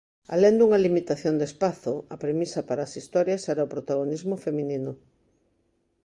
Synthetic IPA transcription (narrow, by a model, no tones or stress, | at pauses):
a̰lend̪uŋɐlimit̪aθjond̪espaθoɐpɾemisɐpaɾaːsist̪ɔɾjɐsɛɾaopɾot̪aɣ̞onizmofemĩninʊ